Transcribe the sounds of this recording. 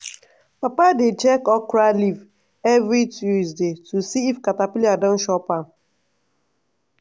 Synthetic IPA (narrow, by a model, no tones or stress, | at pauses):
papadet͡ʃɛkɔkɾaliv | ɛvɾituzdetusiifkatapiliadɔn̩ʃɔpa